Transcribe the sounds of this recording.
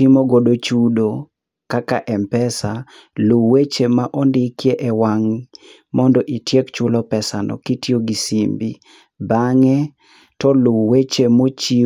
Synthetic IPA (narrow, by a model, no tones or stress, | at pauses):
ɪmoɡodot͡ʃudo | kakaʔɛmpɛsa | luwet͡ʃemaʔɔndɪkjeʔɛwaŋ | mɔndɔʔitjekt͡ʃʊlɔpɛsanɔ̰kitjoɡisimbi | baŋɛ | tɔluwet͡ʃemot͡ʃi